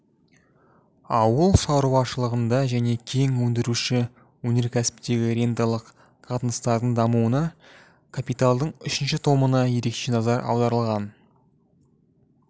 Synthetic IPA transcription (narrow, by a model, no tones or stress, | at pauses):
ɑwəlˠʃɑwɾuwɑʃəlˠəʁənd̪ɑʒæne̞kʲʰe̞ŋwɵnd̪ɪɾuʃɪ | wɵne̞ɾkʲʰæsɪ̥pt̪e̞ɡʲɪɾʲe̞nt̪alˠəq | qʰɑt̪ənəst̪ɑɾd̪ənd̪ɑmuwənɑ | kʰapijt̪alˠd̪əɴʏʃɪnʃɪt̪ʰo̞mənɑje̞ɾe̞kʃe̞nɑzɑɾɑ̰wd̪ɑɾəlˠʁɑn